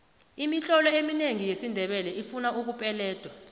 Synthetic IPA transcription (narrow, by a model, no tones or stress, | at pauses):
imiɬʼɔlɔemineŋijesindʱɛɓɛlɛʔifunaʔuk̬upʼɛlɛːd̥ʱwa